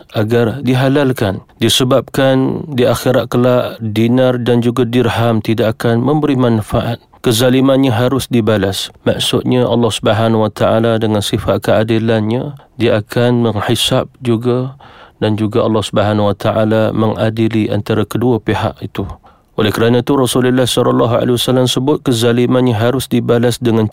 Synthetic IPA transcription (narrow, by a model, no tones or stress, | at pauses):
ʔaɡardiɦalalkandisəbap̚kandiaxiɾat̪̚kəlaʔdinardand͡ʒuɡadirhamt̪idaʔakanmə̃mbəɾimanfaʔat̪̚kəzalimanɲaɦaɾʊsdibalasma̰ʔsʊt̪̚ɲaʔɑlːɔhsubəɦanwat̪aʔaladəŋansifat̪̚kəadilanɲadiaakʰanməŋħisap̚d͡ʒuɡadand͡ʒuɡaʔɑlːɔhsubəɦanwat̪ʰaʔalaməŋʔadiliʔa̰nt̪aɾakəduəpeɦa̰ʔit̪u | ʔolɛhkəɾanãt̪urɔsuləlːahsɔɾɔlːɔɦa̰lewasalamsəbʊt̪̚kəzalimanɲaɦaɾʊsdibalasdəŋan